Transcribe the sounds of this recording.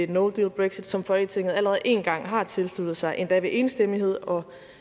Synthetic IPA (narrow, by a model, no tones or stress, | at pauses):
e̥noʊd̥ilb̥ʁɛɡ̥sid̥sɒ̽mfɒ̽et͡sʰe̝ŋ̰ð̩ˠæləʁɛð̩ˠʔe̝̰ːnɡ̥ɑ̈ŋ̰ɦɑ̈t͡sʰe̝lslud̥ð̞̩ˠsɑ̈ɪʔe̝nd̥ɛʋe̝ʔe̝ːnsd̥em̰iɦe̝ð̞̰ˠɒ̽